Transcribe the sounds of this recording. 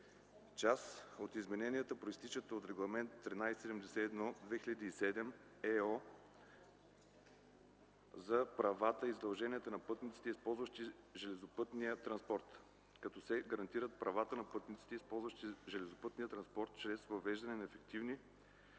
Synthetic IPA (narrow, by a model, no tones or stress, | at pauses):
t͡ʃasot̪izmɛnɛniət̪əpɾoist̪it͡ʃət̪əot̪ɾɛɡlˠɐmɛnt̪ːɾinajssɛd̪ɛmd̪ɛsɛːd̪nɔd̪vɛxiʎəd̪iːsɛd̪ɛm | ɛɔ | zɐpɾɐvat̪əizd̪ɐlˠʒɛniət̪ənɐpɤt̪nit̪si̥t̪ɛispɔlˠzvɐʃt̪i | ʒɛlɛzopɤt̪niət̪ɾɐnspɔɾt̪ | kɐt̪ɔsɛɡɐɾɐnt̪iɾət̪̚pɾɐvat̪ənɐpɤt̪nit̪si̥t̪ɛispɔlˠzvɐʃt̪iʒɛlɛzopɤt̪nijət̪ɾɐnspɔɾt̪t͡ʃɾɛsvɐvɛʒd̪ɐnɛnɐɛfɛkt̪ivni